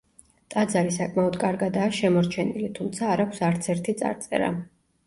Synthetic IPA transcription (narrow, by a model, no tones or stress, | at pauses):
t̪ʼad̪zaɾisakʼmaɔd̪kʼaɾɡad̪aːʃɛmɔɾt͡ʃʰɛnilit̪ʰumt̪sʰaːɾakʷʰsaɾt̪sʰɛɾt̪ʰit̪sʼa̰ɾt̪sʼɛ̰ɾa̰